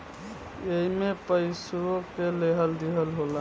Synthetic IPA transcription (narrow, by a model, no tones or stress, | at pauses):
eɦimepəjsuɾokeleɦəld̪eɦəlɦola